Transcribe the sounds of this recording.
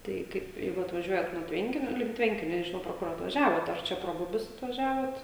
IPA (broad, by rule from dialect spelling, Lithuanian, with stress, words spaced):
ˈtɐɪ kɐɪp ˈjɛɪɡʊ ɐtʋɐˈʒʲuɔjɛt nuɔ ˈtʲʋʲɛŋʲkʲɪnʲoː lʲɪŋk ˈtʲʋʲɛŋʲkʲɪnʲoː nʲɛʒʲɪˈnɐʊ proː ˈkʊr ɐtʋɐˈʒʲæːʋoːt ɐr ˈt͡ʃʲɛ proː ˈbʊbʲʊs ɐtʋɐˈʒʲæːʋoːt